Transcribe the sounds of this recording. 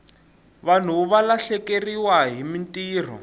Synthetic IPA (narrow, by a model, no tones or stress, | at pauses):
βan̤uβalaɬɛkeriwaɦimintiːr̤ɔ̰